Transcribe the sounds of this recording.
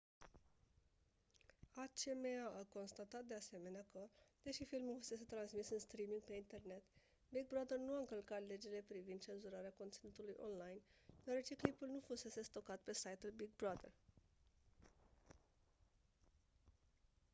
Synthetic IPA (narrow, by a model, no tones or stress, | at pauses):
at͡ʃemeaʔako̞nst̪at̪at̪̚d̪e̞ase̞me̞neakəd̪̥e̞ʃifilmufuse̞se̞t̪ɾansmisɨnst̪ɾimiŋɡpe̞int̪e̞rne̞t̪ | biɡ̚bɾad̪ernuaɨŋkəlkat̪le̞d͡ʒele̞pɾivind̪t͡ʃe̞nzuɾaɾeako̞nt̪sinut̪ulujʔo̰nlajnd̪̥eoaɾe̞t͡ʃe̞klipulnufuse̞se̞st̪o̞kat̪̚pe̞sajt̪ulbiɡ̚bɾad̪ḛr